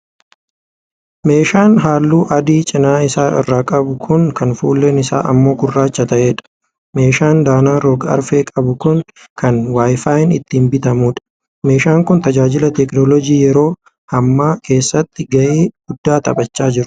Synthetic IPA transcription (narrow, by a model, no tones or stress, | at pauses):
me̞ːʃaːnɦaːlːuːʔɐd̪iːt͡ʃʼɪnaːɪsaːɪ̰rːaːkʼɐbʊkʰʊŋkɐnfṵːlːe̞ːnɪsa̰ːʔɐ̰mːo̞ːkʊrːaːt͡ʃːɐt̪ɐʔe̞ːᶑɐ̥ | me̞ːʃaːnd̪aːnaːɾoːɡɐɐ̰ɾfeːkʼɐbʊkʊŋ | kʰɐnwaːjfaːɪnɪt̪ːɪːmbɪt̪ɐmuːᶑɐ̥ | me̞ːʃaːŋkʊnt̪ɐd͡ʒaːd͡ʒɪlɐt̪ɛknɔlɔd͡ʒiːjɛɾo̞ː | hɐmːaːkʰe̞ːsːɐt̪ːɪɡɐʔeːɡ̥ʊd̪ːaːt̪ɐ̰bɐt͡ʃːaːd͡ʒɪɾʊ̥